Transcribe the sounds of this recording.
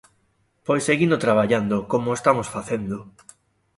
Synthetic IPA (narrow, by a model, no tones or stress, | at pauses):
pojsːeɣind̪ot̪ɾaβaʎand̪ʊkomoest̪amosfaθend̪ʊ